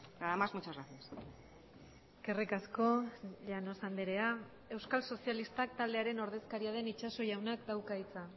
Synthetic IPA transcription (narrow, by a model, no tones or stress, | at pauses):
ɡaðamazmot͡ʃaɾaθias | kerekasko̞ʎano̞sand̪eɾe̞a | e̞wskalso̞sialist̪ak̚t̪ald̪eaɾe̞no̞ɾð̞e̞skaɾiað̞e̞nit͡ʃaso̞ʝawnakd̪awkait͡sa